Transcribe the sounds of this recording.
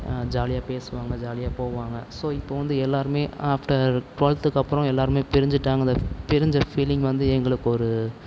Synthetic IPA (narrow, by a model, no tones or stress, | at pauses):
d͡ʒaːlɪjaːpeːsɯʋaːŋɡɐd͡ʒaːlɪjaːpoːʋaːŋɡɐsoːɪpːoːʋɐnd̪ɯɛlːaːɾɯmeːaːfʈɐɾʈʊʋɐlt̪ɯkːɐpːɯɾɔ̃ɛlːaːɾɯmeːpɛɾɪɲd͡ʒɪʈːaːŋɡɐɪnd̪ɐpɛɾɪɲd͡ʒɐfiːlɪ̃ŋɡʋɐnd̪ɯɛŋɡɐɭɯkːɯɔɾɯ